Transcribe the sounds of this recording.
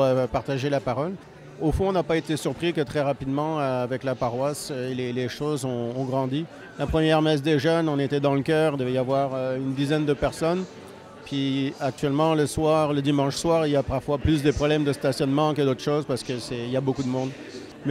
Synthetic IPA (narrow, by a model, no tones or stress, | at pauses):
øpaʁt̪aʒelapaʁɔl | ofɔ̃ɔ̃napaet̪esyʁpχikət̪χɛʁapid̪mɑ̃øavɛklapaʁwasøleleʃozɔ̃ːɡʁɑ̃d̪i | lapχəmjɛʁmɛs̬d̪eʒənɑ̃net̪ɛd̪ɑ̃ləkʲœːʁid̪əvɛjavwaʁøynd̪izɛnd̪əpɛʁsɔn | pɥiak̚t̪ɥɛlmɑ̃ləswaʁləd̪imɑ̃ʃswaːʁiljapaʁfwaplys̬d̪əpχɔblɛmd̪əst̪asjɔnmɑ̃kəd̪ot̪χʃoːzpaʁsə̥kəsɛiljabokud̪əmɔ̃d̪ | m